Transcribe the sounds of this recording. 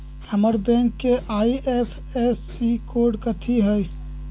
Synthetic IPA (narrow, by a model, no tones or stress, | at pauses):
həməɾbẽŋkːeʔaiepʰ | esːikoɾɖkət̪ʰiɦəj